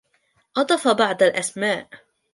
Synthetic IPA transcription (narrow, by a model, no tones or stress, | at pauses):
ʔɑd̪ˤɑfɑbɑʕd̪alʔasmaːʔ